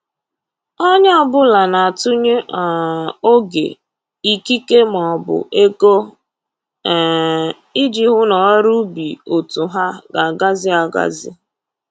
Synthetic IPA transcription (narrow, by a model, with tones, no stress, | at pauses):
ɔ˦ɲ˦ɔ˦bʊ˦la˨na˨a˨tʊ˦ɲe˦ʔo˦ɡḛ˨ | i˦ki˦ke˦m˨ɔ˨bʊ̰˨ʔe˦ko˦˨ | i˦d͡ʒi˨ɦʊ˦nɔ˨˦ɾu˦bḭ˨o˨tu˨ɦa˦ɡa˨ɡa˦zɪ˦a˨ɡa̰˦zɪ̰˦